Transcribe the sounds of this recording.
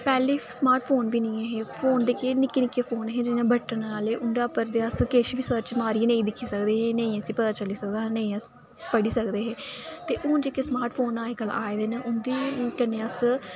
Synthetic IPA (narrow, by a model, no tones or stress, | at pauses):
pɛːleːsmaːɾʈpʰoːnbiːnĩːeɦeːpʰoːnd̪ekeːnɪkːeːnɪkːeːpʰoːnɦẽːd͡ʒɪnãːbʱəʈːənaːleːʔʊnd̪aːpəɾd̪eːəskeːʃʋiːsəɾt͡ʃmaːɾiẽnə̃ĩːd̪ɪkʰːiːsəkd̪eːɦẽːnəĩːəsiːpət̪aːt͡ʃəliːsəkd̪aːɦnə̃ĩːəs | pəɽiːsəkd̪eːɦeːt̪eːʔʊːnd͡ʒeːkeːsmaːɾʈpʰoːnaːekəlaːed̪eːneʔʊnd̪iːkənːeːəs